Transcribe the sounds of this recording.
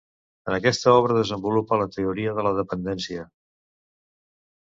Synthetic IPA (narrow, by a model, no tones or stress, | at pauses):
ənəkɛst̪əɔβ̞ɾəðəzəmbulupələt̪əuɾiəðələðəpənd̪ɛnsiə